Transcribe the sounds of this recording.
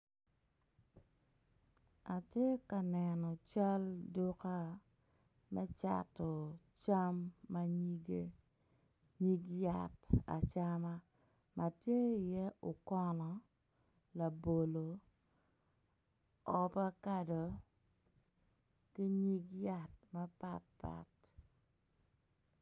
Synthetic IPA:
a˨tje˦ka˨nɛ˨nɔ˨t͡ʃa˦ldu˦ka˦ | mɛ˦t͡ʃa̰˨tɔ˨t͡ʃa˦mːa˦ɲi˦ɡe˦ | ɲi˦ɡja˦˨ta̰˨t͡ʃa˦ma˦ | mʔa˨tje˦ɪ˨jɛ˦ʊ˨kɔ˦nɔ˨ | la˨bo˨lo˨ | ɔ˨pa˦ka˨do˨ | ki˦ɲi˦ɡja˦˨t̚ma˦pa̰˦t̚pa̰˨t

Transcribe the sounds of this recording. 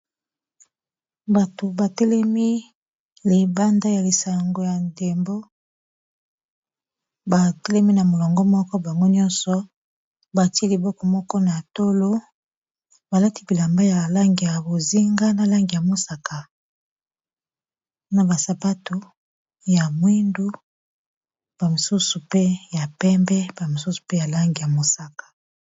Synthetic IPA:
ba˨to˨ba˨te˦lɛ˦mi˦ | le˨ba˦nda˦ja˨li˨sa˨ŋɡo˨ja˨nde˨mbo˦ | ba˨te˦lɛ˦mi˦na˨mo˨lɔ˨ŋɡɔ˦mɔ˦kɔ˦ba˨ŋɡo˦ɲɔ˦nsɔ˨ | ba˨ti˦i˦li˨bɔ˦kɔ˨mɔ˦kɔ˦na˨to˦lo˦ | ba˨la˦ti˦bi˨la˨mba˦ja˨la˦ŋɡi˨ja˨bo˨zi˦ŋɡa˦na˨la˦ŋɡi˨ja˨mo˦sa˨ka˨ | na˨ba˨sa˨pa˦to˨ | ja˨mwi˦ndu˦ | b̥a˨mi˨su˦su˨pe˦ja˨pɛ˦mbɛ˦ba˨mo˨su˦su̥˨pe˦ja˨la˦ŋɡi˨ja˨mo˨sa˨kḁ˨

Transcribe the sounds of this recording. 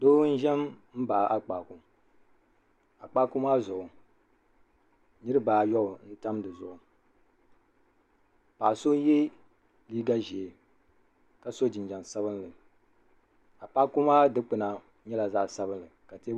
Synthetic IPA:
doː˦n̩˦ʒɛ˦mm̩˦ba˨ʔa˦k͡pa˨ku˨ | a˨k͡paː˦kʊ˦maː˦zʊ˨ʔʊ˨ | nɨ˦ɾɨ˦baː˨jɔ˦ʊ˨n̩˦ta˦mdɨ˨zʊ˨ʔʊ˨ | pa˨so˦jɛ˦ | liː˦ɡa˦ʒe˨e˨ | ka˨so˦d͡ʒɪ˨n˨d͡ʒɛ˨nsa˦βɨ˦nlɨ˨ | a˨k͡paː˦kʊ˦maː˦dɨ˦k͡pɨ˨na˨ | ɲɛ˦la˨za˦˨sa˦bɨ˦nlɨ˨ka˨te˦

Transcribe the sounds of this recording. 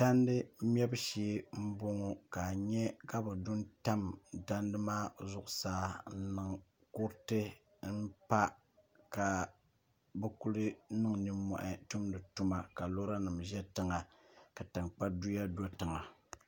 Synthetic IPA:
ta˦n˦dɨ˦m̩˦m˦ɛ˦bɨ˦ʃiː˦m̩˦bo˦ŋo˦ka˨ɲɛ˦ka˦bɨ˨dʊ˦nta˦mda˦ndɨ˦maː˦zʊ˦˨ʔʊ˨saː˦n̩˦nɨ˨ŋ | kʊ˦ɾtɨ˦ | m̩˦pa˦ | ka˨ | bɛ˦ku˦lɨ˦nɨ˦ŋnɨ˦mːɔ̰˨ʔɪ˨tu˦mdɨ˨tu˦ma˨ka˨lo˦ɾa˦nɨ˨mʒɛ˦tɨ˦ŋa˨ | ka˨tɨ˨ŋk͡pa˦du˦ja˦dɔ˦tɨ˨ŋa˨

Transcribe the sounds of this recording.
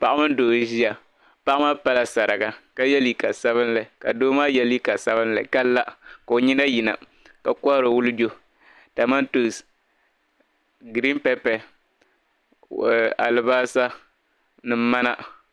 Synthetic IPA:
pa˦ʔa˦mɨ˦n˦doː˨˦ʒi˦ja˨ | pa˦ʔa˦ma˦pa˦la˦sa˨ɾa˨ɡa˨ka˦jɛ˦li˨ka˨sa˦βɨ˦n˦la˨ka˨doː˦maː˦jɛ˦li˦ka˨sa˦βɨ˦nla̰˨ka˦lːa˦ka˨o˨ɲi˦na˦ji˨na̰˨ | ka˨kɔ˦ɾɨ˨wʊ˦lɨ˦d͡ʒo˦ | ta˨ma˦ntu˨s | ɡɾi˦mpɛ˦pɛ˨ | a̰˨lɨ˨baː˦sa˦ | nɨ˨m˦ma˦na˦

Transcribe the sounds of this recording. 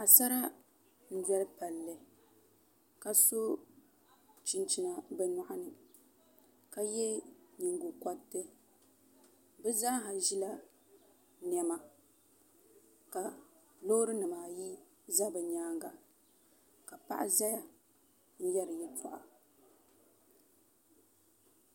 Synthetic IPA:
ʔa˨sa˦ɾa˦ | n̩˦dɛ˦lpa˨lːɨ˨ | ka˨so˦ | t͡ʃi˦nt͡ʃi˨na˨bɛ˦nɔ˦˨ʔa˦nɨ˨ | ka˦jɛ˦ɲi˨ŋɡu˨ka˦tːɨ˦ | bɨ˦za˦ɦa˨ʒi˦la˦ | nɛ˨˦ma˨ | ka˨ | lo˦ɾɨ˦nɨ˨maː˨ji˦ | za˦bɨ˨ɲaː˦ŋɡa˨ | ka˨pa̰˦ʔa̰˦za˦ja˨ | n̩˦jɛ˦ɾɨ˨jɛ˦tʰa̰˨ʔa˨

